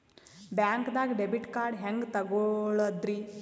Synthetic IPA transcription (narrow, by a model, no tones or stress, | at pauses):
bjaːŋkd̪aːɡɖebiʈkaːɾɖɦeŋɡt̪ɐɡoɭɐd̪ɾi